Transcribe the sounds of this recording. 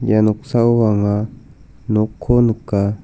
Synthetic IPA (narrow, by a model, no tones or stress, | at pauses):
janʊksawaŋa | nokʰːonʊka